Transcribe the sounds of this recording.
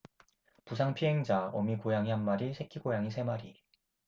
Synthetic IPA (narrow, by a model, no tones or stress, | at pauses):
pusʰaŋpʰiɦeŋd͡ʑaʌmikojaŋiɦanmaɾisʰe̞kʰiɡojaŋisʰe̞maɾi